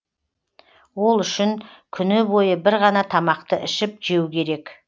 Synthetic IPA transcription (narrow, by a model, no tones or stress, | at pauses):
wo̞lˠʏʃɪŋkʲʰʏnɪbo̞jəbɪɾʁɑnɑt̪ʰɑmɑqt̪əʔɪʃɪp̚ʒ̥e̞wkʲʰe̞ɾe̞k